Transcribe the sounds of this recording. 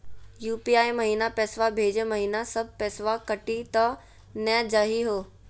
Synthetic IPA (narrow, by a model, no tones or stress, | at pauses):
juːpiaːimɐɦiːnapɛːsʋabʱeːd͡ʑmɐɦiːnasɐb̚ʱpɛːsʋakɐʈit̪ɐ | nɛd͡ʒəɦiɦoː